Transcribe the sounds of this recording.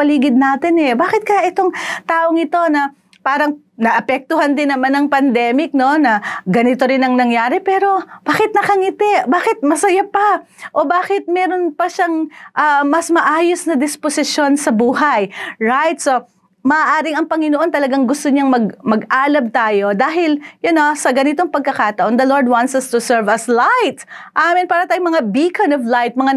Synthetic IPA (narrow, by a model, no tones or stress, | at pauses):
pɐliːɡɪd̪̚naːt̪ɪnɛbaːkɪt̪̚kɐjaʔɪt̪o̞ŋt̪aːʔo̞ŋɪt̪o̞nɐ | paːɾɐŋ | nɐʔɐpɛk̚t̪ʊhɐnd̪ɪnːɐmanɐŋpɐnd̪ɛmɪk̚no̞nɐɡɐnɪt̪o̞ɾɪnɐŋnɐŋjaːɾɛpɛːɾo̞b̥aːkɪt̪̚nɐkɐŋɪt̪ɛʔbaːkɪt̪̚mɐsɐjapɐʔo̞baːkɪt̪̚mɛːɾo̞npɐʃaŋʔɐmɐsmɐʔaːjosnɐd̪ɪsposɪʃjo̞nsɐbuːɦɐjɹajt̪̚so̞ | mɐʔːʔaːɾɪŋɐŋpɐŋɪnoʔo̞nt̪ɐlɐɡaŋɡʊst̪oɲaŋmɐɡmɐɡaːlɐmt̪aːjo̞d̪aːɦɪljʊnosɐɡɐnɪt̪oŋpɐɡ̚kɐkaːt̪ɐʔo̞nd̪ɐloɹd̪̚want̪sɐst̪ʊsɛɹvɐslajt̪ʔamɪnpaːɾɐt̪aːjʊŋmɐŋabikʰɐnovlajt̪̚mɐŋa